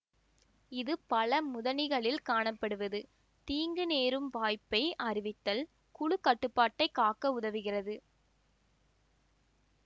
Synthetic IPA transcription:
ɪðɯpɐlɐmʊðɐnɪɣɐɭɪlkaːɳɐpːɐɽɯʋɐðɯ | t̪iːŋɡɯneːɾɯmʋaːjpːɐɪʔɐrɪʋɪt̪ːɐl | kʊɻɯkɐʈːɯpːaːʈːɐɪkaːkːɐʊðɐʋɪɣɪrɐðɯ

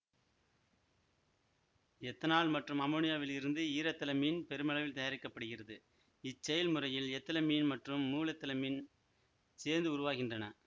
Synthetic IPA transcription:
ɛt̪ːɐnaːɭmɐʈrɯmɐmoːnɪjaːʋɪlɪɾɯnd̪ɯiːɾɐt̪ːɐlɐmiːnpɛɾɯmɐɭɐʋɪlt̪ɐjaːɾɪkːɐpːɐɽɯɣɪrɐðɯ | ɪt͡ʃːɛjɐlmɯrɐjɪlɛt̪ːɐlɐmiːnmɐʈrɯmːuːlɐt̪ːɐlɐmiːn | seːɾnd̪ɯʊɾʊʋaːɣɪndrɐnɐ

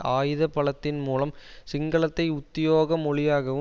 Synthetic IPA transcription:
aːjɪðɐpːɐɭɐt̪ːɪnmuːlɐmsɪŋɡɐɭɐt̪ːɐɪʊt̪ːɪjoːɣɐmɔɭɪjaːɣɐʋɯ

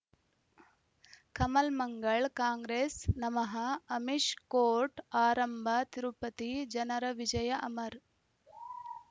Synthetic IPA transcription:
kɐmɐlmɐŋɡɐɭkaːŋɡɾeːsnɐmɐɦɐɐmiʃkoːɾʈaːɾɐmbʱɐt̪iɾupɐt̪id͡ʒɐnɐɾɐʋid͡ʒɐjɐʔɐmɐɾ

